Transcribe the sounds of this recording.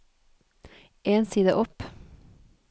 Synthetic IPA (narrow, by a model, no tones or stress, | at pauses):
ʔeːnsiːd̪əʔɔp